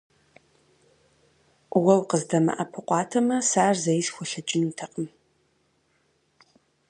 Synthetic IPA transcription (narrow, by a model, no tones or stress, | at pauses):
wɐwqəzdɐmɐ̰ʔɐpʰɨqʷʼɑːtʰɐmɐsaːrzɐjɪsxʷɔɬɐt͡ʃʼɪntʰɐqʼəm